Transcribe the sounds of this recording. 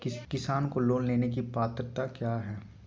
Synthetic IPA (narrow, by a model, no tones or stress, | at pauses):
kɪsaːnkoloːnleːnekipaːt̪ɾt̪akjaːɦɛː